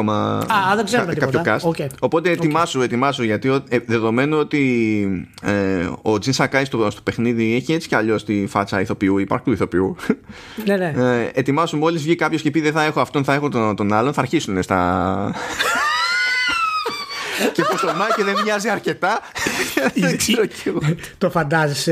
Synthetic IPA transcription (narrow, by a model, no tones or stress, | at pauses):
omɐ̰ɐðeɡzeumk̪ikɐtçokɐsoeo̞po̞t̪eːt̪imɐzue̞t̪imɐzuʝɐt̪ioðe̞ðo̞me̞nuo̞t̪i | od͡zinsɐkɐist̪ost̪o̞̥pe̞xniðieçie̞t͡si̥cɐʎo̞st̪ifɐt͡sɐiθo̞piuipɐ̰ɾk̚t̪uiθo̞piu | neneet̪imɐsumo̞lizvʝikɐpçoscepiðeθɐe̞xo̞ɐft̪o̞nθɐe̞xo̞t̪ot̪o̞nɐlo̞nθɐɾçisunest̪ɐ̰ | cepost̪onɐceðenvɲɐziɐɾce̞t̪ɐ | kseɾoceɣot̪ofɐnd̪ɐzese